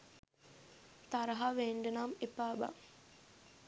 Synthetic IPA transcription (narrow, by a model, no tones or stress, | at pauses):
t̪aɾɐɦaʋeːɳɖənamepaːba̰